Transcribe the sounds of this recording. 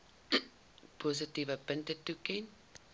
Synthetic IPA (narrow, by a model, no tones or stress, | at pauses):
pʰos̬ətivəpəntətukɛn